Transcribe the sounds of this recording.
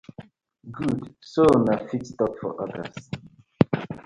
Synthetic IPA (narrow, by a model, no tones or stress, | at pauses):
ɡudsonafitstɔkfɔ̰ʔadə̰s